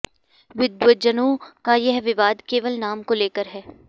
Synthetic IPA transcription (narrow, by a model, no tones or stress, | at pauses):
ʋɪd̪ʋwəd͡ʒənõːkajɛɦʋɪʋaːd̪keːʋəlnaːmkoleːkəɾɦɛː